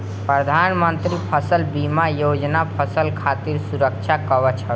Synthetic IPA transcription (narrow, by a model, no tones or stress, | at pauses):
pɾəd̪ʱanmənt̪ɾipʰəsəlbimajod͡ʒnapʰəsəlkʰat̪iɾsuɾək̚t͡ʃʰakəβɛt͡ʃʰə